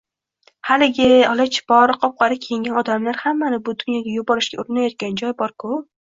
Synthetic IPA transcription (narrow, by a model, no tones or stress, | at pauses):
halɪɡʲɪɒlˠat͡ʃʰɪ̥bɒɾqʰɒp̚qɑɾɪkʲʰejɪŋɡʲanɒd̪amlaɾhamːanɪbʊd̪ʊnjɒɡʲajʊbɒɾɪʃkʲaʊɾɪnajɒt̪̚kʲand͡ʒɒjbɒɾkʰʊ